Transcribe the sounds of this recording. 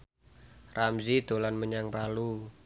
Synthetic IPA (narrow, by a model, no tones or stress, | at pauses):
ramzid̪olanməɲaŋpalu